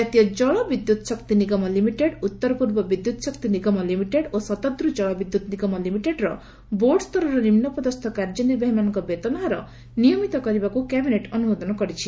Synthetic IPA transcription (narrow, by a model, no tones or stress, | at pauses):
d͡ʒat̪ijɔd͡ʒɔɭɔbid̪jut̪ɔsɔkt̪iniɡɔmɔlimiʈeɖut̪ːɔɾɔpuɾbɔbid̪jut̪ɔsɔkt̪iniɡɔmɔlimiʈeɖosɔt̪ad̪ɾud͡ʒɔɭɔbid̪ːut̪niɡɔmɔlimiʈeɖɾɔ | boɾɖɔst̪ʰɔɾɔɾɔnimnɔpɔd̪ɔst̪ʰɔkaɾd͡ʒɔniɾbʱaɦimanɔŋkɔbet̪ɔnaɦaɾɔ | nijɔmit̪ɔkɔɾibakukɛbineʈɔnumod̪ʱɔnɔkɔɾit͡ʃʰi